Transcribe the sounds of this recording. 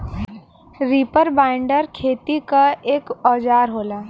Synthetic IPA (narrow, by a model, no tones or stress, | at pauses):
ɾiːpəɾbaːɪɳɖəɾkʰeːt̪ikaeːkɔːd͡ʒaːɾɦoːlaː